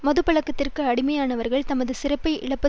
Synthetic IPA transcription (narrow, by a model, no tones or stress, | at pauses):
mɐðɯpɐɭɐkːɐt̪ːɪrkɯɐɽɪmɐjaːnɐʋɐɾɣɐɭt̪ɐmɐðɯsɪrɐpːɐɪɪ̰ɭɐpːɐ